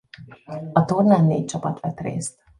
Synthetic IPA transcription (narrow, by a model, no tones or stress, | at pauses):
ɒt̪ornaːnːḛːc̚t͡ʃɒpɒt̪ʋɛt̪rḛːst̪